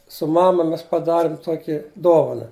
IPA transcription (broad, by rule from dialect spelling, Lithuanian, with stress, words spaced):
sʊ ˈmɑːmɐ ˈmʲɛs pɐˈdɑːrʲɪm ˈtuɔkʲɪ ˈdoːʋɐnɐ